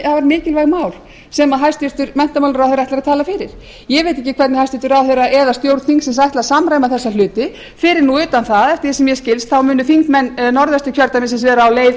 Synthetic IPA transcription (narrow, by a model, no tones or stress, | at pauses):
havaɾmɪːcɪlvajɣmaːwl | sɛmaðɦajst̪ɪɾ̥t̪ʏɾmɛn̥t̪amawlʏɾawθejɾaht̪ɾat̪ʰaːlafɪɾɪɾ̥ | jɛvejt̪̬ɪhcːɪkʰvɛɾt̪nɪhajst̪ɪɾt̪ʏɾawθejɾaʔɛðast̪jowɾt̪θiŋksɛmsajht̪lasamɾajmaθɛsːalʏːt̪ɪ | fɪɾɪɾnuʏːt̪anθaðɛft̪ɪsɛmjɛscɪlst̪θawmʏːnʏfiŋkmɛnːnɔɾðɛst̪ʏ̥cʰœɾt̪amɪns̬ɛsvɛːɾaːwleːjv